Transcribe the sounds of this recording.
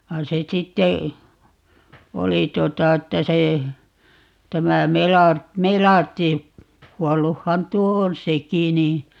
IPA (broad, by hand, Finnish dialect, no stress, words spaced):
ʋɑin̞ se sitːe oli tuotɑ etːæ se tæmæ melɑrt melɑrtːi kuɔlːuhːɑn tuo on seki ni